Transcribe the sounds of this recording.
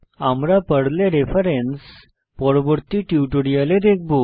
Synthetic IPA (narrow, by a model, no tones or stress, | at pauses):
amɾapəɽleɾefəɾens | pɔɽbəɾt̪iʈiʈuɽijaled̪ek̚ʰbu